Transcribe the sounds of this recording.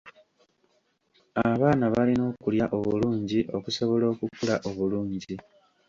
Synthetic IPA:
aβaːnaβalino̞ːkuljaʔo̞βuluːɲɟiʔo̞kuso̞βo̞lo̞ːkukulaʔo̞βuluːɲɟi

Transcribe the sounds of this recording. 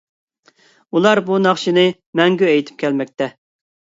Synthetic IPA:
ulˠɑɾbunɑχʃinɪ | mɛŋɡʲyɛjt̪ʰɪ̥p̚kʲʰɛlmɛk̚ʲt̪ʰɛ

